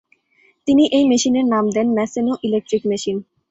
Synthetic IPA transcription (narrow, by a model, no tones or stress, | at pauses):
t̪iniʔejmeʃineɾnamd̪ɛnmɛsenoʔilek̚ʈɾikmeʃin